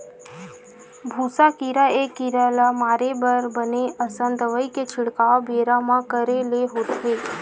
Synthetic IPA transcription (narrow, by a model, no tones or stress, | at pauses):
bʱusakiɾaekiɾalamaɾebəɾbəneəsənd̪ʋəjket͡ʃʰɪɽkabeɾamãkəɾeleɦot̪ʰe